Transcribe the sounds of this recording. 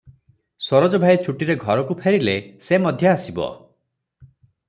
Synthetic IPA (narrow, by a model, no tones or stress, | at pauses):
sɔɾod͡ʒɔbʱajt͡ʃʰuʈiɾeɡʱɔɾɔkupʰeɾilesemɔd̪ʱjɔasibɔ̰